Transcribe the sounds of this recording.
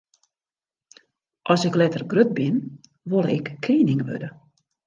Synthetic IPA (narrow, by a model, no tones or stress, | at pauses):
ʔɔsɪklɛtərɡrøt̚bɪn | ʋolˠəɛkːʰriːənɪŋəʋø̰də